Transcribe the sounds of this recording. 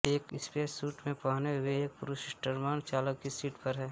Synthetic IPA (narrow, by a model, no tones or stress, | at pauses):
eːkɪspeːsːuːʈmẽpaːneɦʊeeːk̚pʊɾusɪsʈəɾmaːnt͡ʃaːləkːisiːʈpəɾɦɛː